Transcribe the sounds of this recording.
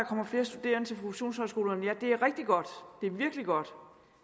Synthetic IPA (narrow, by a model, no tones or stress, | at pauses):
ɑ̈kʰɒ̽m̰ɐfle̝ːɐsd̥ud̥e̝̰ːɐnət͡sʰe̝pʰʁofeɕo̝̰ːnshɒsɡ̥o̝ːlɐnjæd̥e̝æɐʁɛɡ̥̚d̥iɡ̥ɒ̽d̥d̥e̝ɐʋiɐɡ̥liɡ̥ɒ̽d̥